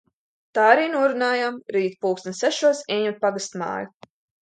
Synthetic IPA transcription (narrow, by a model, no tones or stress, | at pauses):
t̪aːaɾiːnuɔɾunaːjamɾiːt̪puːksnʲsɛʃuɔsɛɲut̪̚paɡast̪ma̰ːju